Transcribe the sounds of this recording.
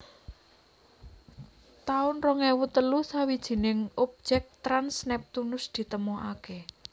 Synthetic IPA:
t̪aʊnrɔŋɛwut̪əlusawid̥ʒ̥i̤nɪŋop̚d̥d͡ʒ̥ɛk̚t̪ɾansnɛp̚t̪unʊsd̪̥i̤t̪əmɔake

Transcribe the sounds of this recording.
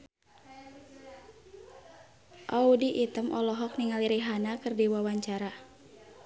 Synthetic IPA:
ʔaudiʔːt̪əmʔɔlɔɦɔk̚niŋaliɾiɦanakɨrdiwawaɲt͡ʃaɾa

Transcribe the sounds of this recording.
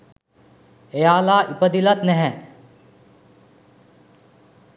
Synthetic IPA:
ejaːlaːʔipəd̪ilɐt̪nɛɦɛ̃

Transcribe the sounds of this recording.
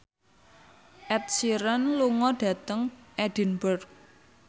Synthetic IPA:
ʔɛt̪̚siɾənluŋɔɖ̥ä̤t̪əŋʔɛd̥i̤nbʊrk̚

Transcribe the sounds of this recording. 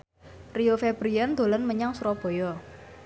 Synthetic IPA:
riofɛb̥ɾiɛnd̪̥o̤lənməɲaŋsuɾɔb̥ɔ̤jɔ

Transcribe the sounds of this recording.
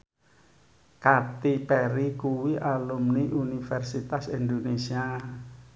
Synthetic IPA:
kat̪ipɛɾikuwiʔalumniʔunifɛrsit̪asind̪onesia

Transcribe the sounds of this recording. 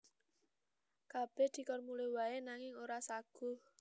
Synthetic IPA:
kab̥ɛhd̪̥i̤kɔrmulewaenaŋɪŋoɾasaɡ̥ʊ̤

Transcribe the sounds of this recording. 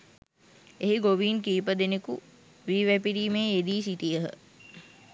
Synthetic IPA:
eɦiɡoʋiːnkiːpəd̪eneku | ʋiːʋæpiɾiːmeːed̪iːsiʈijəɦə̰

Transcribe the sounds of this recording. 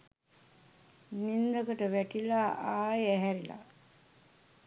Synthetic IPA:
mind̪əkəʈəʋæʈilaʔaːjæɦæɾila̰

